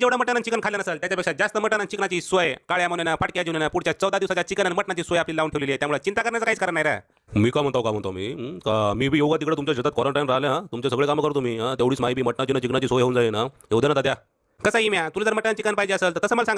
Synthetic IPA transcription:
d͡ʑeʋɽaməʈːanat͡ɕikənkʰaljanəsəlt̪jat͡ɕapekʂad͡zast̪əməʈːanant͡ɕiknat͡ɕiːsʋəjkaɭjamənenafaʈkjad͡ʑiʋnenapuɽt͡ɕjat͡səwd̪ad̪iwsat͡ɕjat͡ɕikənanməʈnat͡ɕiːsʋəjapliːlauɳʈʰeʋlelːet̪jamuɭət͡ɕint̪akəɾnjat͡səkaɦiːt͡skəɾənaɦjɾa̰ | miːkam̤əɳt̪awkam̤əɳt̪amḭːkamiːbʱiːjoɡat̪ikɽet̪umt͡ɕjaɕət̪at̪̚kɔɾəɳʈajnɾaɦlanat̪umt͡ɕasəɡɭekaməkəɾot̪omiːɦat̪eʋɽiːsmaɦibiːməʈnat͡ɕinat͡ɕiknat͡ɕiːsʋəjɦeund͡zajenaɦewd̪janat̪at̪ja | kəsaimjat̪ulad͡z̪əɾməʈːanant͡ɕikənpaɦid͡ʑeəsəːlt̪əɾt̪əsəːməlasãŋɡ

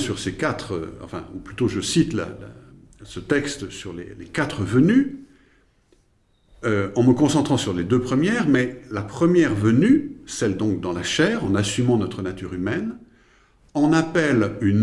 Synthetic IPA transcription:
syʁsekat̪χə̰ɑ̰̃fɛ̰̃uplyt̪oʒəsit̪la̰la̰ | sət̪ɛkst̪syʁlḛlekat̪χəvəny | øɑ̃məkɔ̃sɑ̃t̪χɑ̃syʁled̪øpχəmjɛʁmɛlapχəmjɛʁvənysɛld̪ɔ̃k̚d̪ɑ̃laʃɛːʁɑ̃nasymɑ̃nɔt̪χənat̪yʁymɛn | ɑ̃napɛlyn

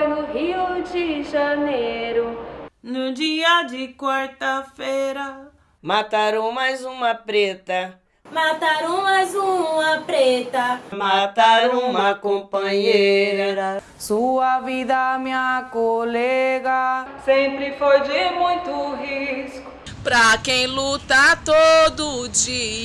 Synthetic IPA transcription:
nʊɦiud͡ʒiʒaneɾʊnʊd͡ʒiɐd͡ʒɪkwaɾt̪afejɾɐ | mat̪aɾõw̃majzũmɐpɾet̪ɐ | mat̪aɾõwmajzũmɐpɾet̪ɐmat̪aɾũmɐkõpɐ̃ɲeɾɐɾɐ | suɐvid̪ɐmĩɲɐkolɛɡɐsẽpɾɪfojd͡ʒɪmũj̃t̪ʊɦiskʊ | pɾɐkẽj̃lut̪at̪od̪ʊd͡ʒi

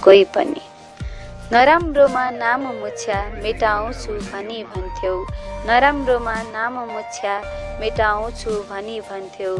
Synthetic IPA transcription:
koipʌ̰nḭ | nʌɾamromanamomut͡sʰjameʈaũt͡sʰubʱʌnibʱʌnt̪ʰjownʌɾamromanamomut͡sʰjameʈaõt͡sʰubʱʌnibʱʌnt̪ʰjow

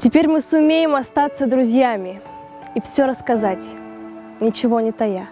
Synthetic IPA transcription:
tʲɪpʲeɾʲmɨsʊmʲejɪmɐst̪at̪səd̪ɾʊzʲjamʲɪ | ifsʲoɾəskɐzatʲ | nʲɪt͡ɕɪvo̞nʲɪt̪ɐja

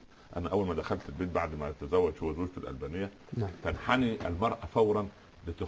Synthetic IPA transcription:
ʔæ̰næʔæwːælmæd̪æxælt̪elbeːt̪̚baʕd̪mæt̪æzæwːæd̪ʃowæzoːd͡ʒt̪elʔæ̰lbæːnejːæ | fænħaniʔʔælmɑɾˤʔæfæwɾˤɑn | lɪt̪e

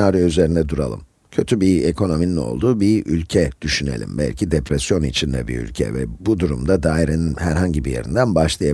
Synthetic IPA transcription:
aːɾijayze̞ɾind̪ɛd̪uɾa̰lˠɯm | cʰø̞t̪ʰybiekʰo̞no̞minino̞̰lˠd̪uːbiylʲcʰɛd̪̥yʃynḛlʲḭmbæ̰lʲcʰid̪epɾesjo̞nit͡ʃʰind̪ɛ̰bḭɾy̰lʲcʰɛ̰vɛ̰bud̪uɾṵmd̪ad̪aːiɾeninhæɾɦaɲɟibije̞̰ɾḭnd̪ænbaʃlˠɯja

